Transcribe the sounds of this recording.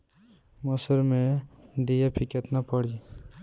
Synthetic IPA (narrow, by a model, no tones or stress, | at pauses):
məsəɾmẽɖijapʰikət̪napəɽi